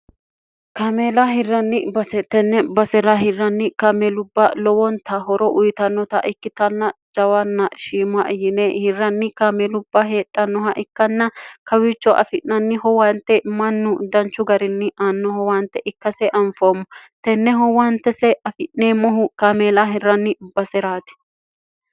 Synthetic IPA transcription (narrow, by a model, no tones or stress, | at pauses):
kameːlɐɦɪrːɐnːɪbɐsɛt̪ɛnːɛbɐsɛɾɐɦɪrːɐnːɪkamɛlʊbːɐlɔwɔnt̪ɐɦɔɾɔʔʊjt̪ɐnːɔt̪ɐ̰ʔɪkːɪt̪ɐnːɐd͡ʒɐwɐnːɐʃiːmɐʔjɪnehɪrːɐnːɪkamelʊbːɐɦeːt̪ʼːɐnːɔɦɐʔɪkːɐnːɐkɐwit͡ʃːɔʔɐ̰fɪnːɐnːɪhɔwant̪ːɛmɐnːʊd̪ɐnt͡ʃːʊɡɐɾɪnːɪʔaːnːɔhɔwaːnt̪ːɛʔɪkːɐsɛʔɐnfoːmːɔt̪ɛnːɛɦɔwɐnt̪ːɛsɛʔɐfɪʔnneːmːɔɦʊkameːlaɦɪrːɐnːɪb̥ɐsɛɾaːt̪ɪ̥